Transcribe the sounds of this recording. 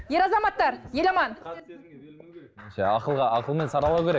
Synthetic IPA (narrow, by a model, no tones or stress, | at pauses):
je̞ɾɑzɑmɑt̪ːɑɾjelɑmɑn | ʒæ̰ɑqəlˠʁɑɑqəlˠme̞nsɑɾɑlˠɑwkʲeɾek